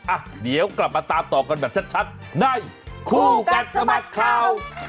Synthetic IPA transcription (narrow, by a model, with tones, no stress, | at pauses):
ʔa˧˩ | di˨˦əwkla˨˩p̚maː˧t̪aː˧mt̪ɔː˨˩ka˧nbɛː˨˩p̚t͡ɕʰa˦˥t̪̚t͡ɕʰa˦˥t̪̚ | na˧˩j | kʰuː˧˩ka˨˧˩t̪̚sa˧ma˨˩t̪̚kʰaː˧˩w